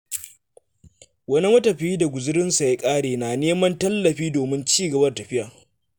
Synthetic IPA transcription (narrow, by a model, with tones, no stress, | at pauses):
wɐ˦ni˦mɐ˦tɐ˨ɸiː˦da˨ɡʷʊ˨zɪ˦ɽɪ˦nsa˨ja˦kʼaː˦ɽeː˨naː˨neː˦mɐ˦ntɐ˦lːɐ˨ɸiː˦doː˨mɪ˦nt͡ʃiː˦ɡɐ˨bɐ˦rtɐ˨ɸɪ˦jaː˨